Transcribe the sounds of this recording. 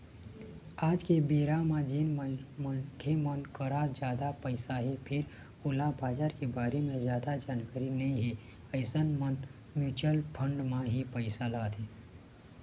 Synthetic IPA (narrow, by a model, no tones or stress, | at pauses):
aːd͡ʒkebiːɾamãd͡ʒiːnməmənkʰemənkəɾad͡ʒjaːd̪apəɪsaɦepʰɪɾ | ʊlabaːd͡ʒaːɾkebaːɾemẽzjaːd̪ad͡ʒaːnkəɾinɐɦĩɦe | əɪsənmən | mjuːt͡ʃəlpʰə̃ɳɖmãɦipəɪsalaːt̪eː